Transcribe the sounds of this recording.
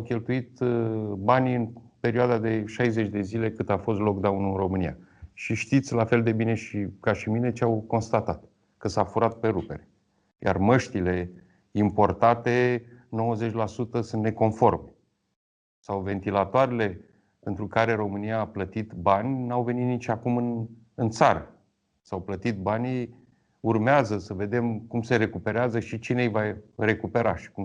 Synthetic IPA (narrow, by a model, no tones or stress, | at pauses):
awkʲe̞lt̪uit̪banʲɨnpe̞ɾioad̪ad̪e̞ʃajze̞t͡ʃʲd̪e̞zile̞kɨt̪afo̞st̪lo̞kd̪aunuɨnro̞mɨnija̰ʃiʃt̪it̪sʲlafe̞ld̪e̞bine̞ʃikaʃimine̞t͡ʃeawko̞nst̪at̪at̪ | kəsafuɾat̪̚pe̞ɾupe̞ɾe | jʔa̰rməʃt̪ile̞ | impo̞rt̪at̪e̞no̞wəze̞t͡ʃʲlasut̪əsunt̪ne̞ko̞nfo̞rme | sawve̞nt̪ilat̪oaɾele̞ | pent̪ɾukaɾe̞ɾo̞mɨnijaːplət̪it̪banʲnawve̞nit̪nit͡ʃʲakumɨn | ɨnt̪saɾə | sawplət̪it̪̚banʲ | urmeazəsəve̞d̪e̞mkumse̞ɾe̞kupe̞ɾeazəʃit͡ʃine̞jvare̞kupe̞ɾaʃi̥kum